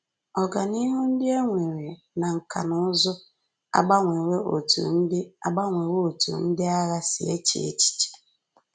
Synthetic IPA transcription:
ɔ˨ɡa˨ni˦ɦu˦n̩˦dɪ˦e˦ŋʷe˨ɾe˨ | na˨ŋ̩˨ka̰˨nʊ˦ʊ˦zʊ˦ | a̰˦ɡ͡ba˦ŋʷe˨we˦ʔo̰˨tṵ˨n̩˦dɪ˦a̰˦ɡ͡ba˦ŋʷe˨we˦o˨tṵ˨n̩˦dɪ˦a˦ɣa˦sḭ˨ḛ˦t͡ʃḭ˨ḛ˦t͡ʃi̥˨t͡ʃe̥˨

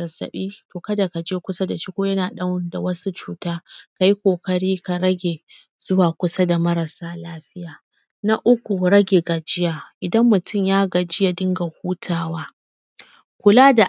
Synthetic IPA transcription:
ɐ˨sɐ̰˨ɓiː˦toː˨kɐ˦da˨ka˨d͡ʒeː˦kʷʊ˦sa˦da˨ʃiː˦kʷoː˦jɐ˦naː˨ɗɐ˦wnda˨wɐ˦su˦t͡ʃuː˦taː˦ka˨ji˦kʷoː˨kɐ˨ɽiː˦ka˨ɾɐ˦ɡʲeː˨ | z̥ʊ˦waː˨kʷʊ˦sa˦da˨mɐ˦ɾɐ˨saː˦laː˦ɸɪ˦jaː˨ | na˦ʔʊ˦kʷu˨ɾɐ˦ɡʲeː˨ɡa˨d͡ʒɪ˦jaː˨ʔɪ˨dɐ˦mːʊ˨tʊ˦mjaː˦ɡa˨d͡ʒɪ˦ja˨dɪ˦ŋɡa˨huː˦tʰaː˦waː˦ | kʷʊ˨laː˦da˨

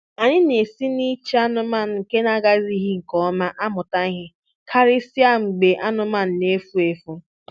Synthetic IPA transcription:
a˨ɲɪ˦ne˨si˦ni˦t͡ʃe˦a˦nʊ˦ma˦˨n̩˨ŋ̩˨ke˦na˦ɡa˦zi˦ɦi˦ŋ̩˨kɔ˦ma˦ʔa˦mʊ˨ta˦i˦ɦɪ˦ | kʰa˦ɾɪ˦si˦a˦ŋ͡m̩˨ɡ͡be˨ʔa˦nʊ˦ma˦˨n̩˨ne˦fu˦e˨fu˦

